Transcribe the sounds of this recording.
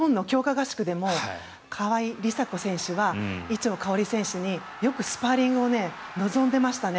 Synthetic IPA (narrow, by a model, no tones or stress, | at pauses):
õ̞nːo̞kʲo̞ːkaɡaɕi̥kɯ̟d̪e̞mo̞ | kʰaβaiɾʲisakosẽ̞ɰ̃ɕɨβait͡ɕio̞kaoɾʲisẽ̞ɰ̃ɕɨɲ̟i | jo̞kɯ̟sɨ̥paɾʲĩŋɡɯo̞ne̞ | no̞zõ̞nd̪e̞maɕi̥t̪ane